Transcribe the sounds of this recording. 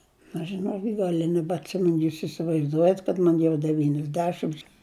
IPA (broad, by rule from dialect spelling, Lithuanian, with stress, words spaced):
ɐʃ ʒʲɪˈnoːkʲɪt ˈɡɐlʲ ɪ nʲɛbɐtʲˈsʲɪmʲɛn ˈjuːs ɪsʲɪʋɐɪzˈduɔjɛt kɐt ˈmɐn jɛʊ dʲɛʋʲiːnʲɛzʲˈdʲæːʃʲɪms